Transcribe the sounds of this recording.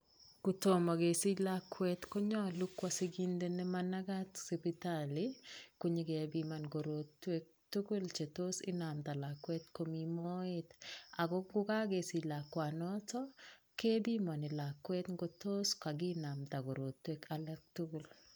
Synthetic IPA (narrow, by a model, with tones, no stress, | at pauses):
ku˨to˨ma˨ɡe˨si˦la˦kːwɛtko˦ɲɔ˦lu˦kwa˨si˦ɡi˦nde˦nɛ˦mana˦ɡa˦tse˨pitaliko˦ɲe˦ɡe˨a˨bi˦ma˨nɡo˨ɾo˨tːwe˦k̚tu˦ɡu˦lt͡ʃe˨to˦sɪ̰˦na˨mt̪a˨la˨kːwɛ˦tko˦mi˦mɔ˦ɪ˦t̪a˨ɡɔ˦ɡʊ˦ka˦ɡe˨sɪ˨la˨kwa˨nɔtɔ˦ | ke˦bi˦ma˨nɪ˨la˨kwɛ˦tŋɡo˨to˦ska˨ɡɪ˦na˨mt̪a˨ɡo˨ɾo˨t̪ːwekʰalɛ˦k̚tu˦ɡu˨l